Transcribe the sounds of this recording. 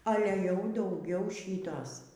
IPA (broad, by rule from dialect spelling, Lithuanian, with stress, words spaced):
ˈɑːlʲɛ jɛʊ dɐʊˈɡʲɛʊ ˈʃʲiːtoːs